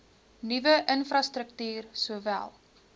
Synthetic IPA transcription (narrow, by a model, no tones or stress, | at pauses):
nivəʔənfrɐstɾək̚tyːrsuəvæ̰lˠ